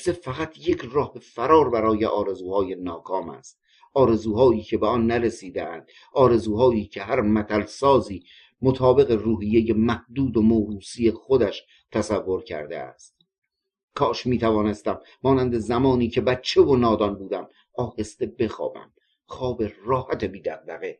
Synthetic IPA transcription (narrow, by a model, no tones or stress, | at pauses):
sefæɣæt̪ʰjecʰrɒːhbefæɾɒːɾbæɾɒːje̞ʔɒːɾe̞zuːhɒːjenɒːkʰɒːmæ̰st̪̚ | ʔɒːɾe̞zuːhɒːiːcʰe̞beɒnːæɾesiːd̪eʔænd̪̥ | ʔɒːɾe̞zuːɦɒːʔiːcʰe̞ɦæɾmæt̪ʰælsɒːziː | mot̪ʰɒːbe̞ɣe̞ruːɦijːeje̞mæhd̪uːd̪omoɾuːsije̞xod̪æʃ | t̪ʰæsævːo̞ɾcʰæ̰ɾd̪ḛæ̰st̪̚ | kʰɒːʃmiːt̪ʰævɒːne̞st̪æmːɒːnænd̪e̞zæmɒːniːcʰe̞bæt̪t͡ʃʰːe̞vonɒːd̪ɒnbuːd̪æm | ɒːhest̪e̞be̞xɒ̰ːbæ̰m | xɒːbeɾrɒːhæt̪ʰebiːd̪æɣ̚d̪æɣe